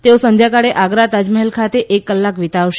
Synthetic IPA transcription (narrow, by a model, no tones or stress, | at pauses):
t̪eosənd̪jakaɽeʔaɡɾat̪ad͡ʒməɦelkʰat̪eʔekːəlːakʋit̪aʋʃ